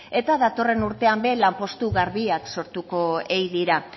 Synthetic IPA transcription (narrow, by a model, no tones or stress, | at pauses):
e̞t̪aðat̪o̞re̞nuɾt̪e̞ambe̞lampo̞st̪uɣaɾβiakso̞ɾt̪uko̞ejðiɾa